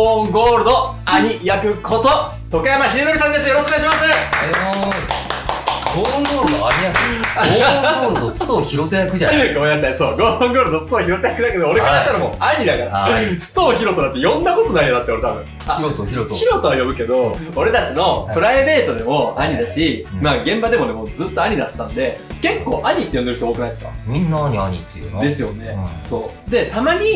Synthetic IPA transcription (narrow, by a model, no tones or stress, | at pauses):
õŋɡo̞ːɾɯ̟d̪o̞aɲ̟ijakɯ̟kʰo̞t̪o | t̪o̞kajamaçiɾʲid̪o̞ɾʲisãnd̪e̞s̬ɨjoɾoɕkoaɕimasɨ | ɡõːŋɡoːɾɯd̪oaɲiakɯ | ɡoːɾɯd̪osɨt̪oçiɾot̪ejakɯ̟aɡojat̪ːasoːɡõːŋɡo̞ːɾɯ̟d̪o̞sɨ̥t̪oːçiɾo̞t̪ejakɯ̟d̪ake̞d̪oːɾekat̪at͡ɕit̪aɾamoaɲid̪akaɾasɨ̥t̪o̞ːçiɾo̞t̪oat̪ːejõ̞nd̪ako̞t̪o̞naijod̪at̪ːeo̞ɾe̞t̪abɯ̟̃ | açiɾo̞t̪oajo̞bɯ̟ke̞d̪o̞o̞ɾe̞t̪at͡ɕino̞pɯ̟ɾaibe̞ːt̪o̞d̪e̞mo̞aɲ̟id̪aɕimaːɡẽ̞mbad̪e̞mo̞ne̞mo̞d͡zɨːt̪ːo̞aɲ̟id̪at̪ːãnd̪e̞ke̞kːo̞ːʔaɲ̟it̪ːej̪d̪eɯ̟çt̪ooːkɯ̟naid̪sɨ̥ka̰mʲĩnːaaɲiaɲʲḭt̪ːed̪e̞sɨjo̞ne̞so̞ː | d̪e̞t̪amaɲ̟i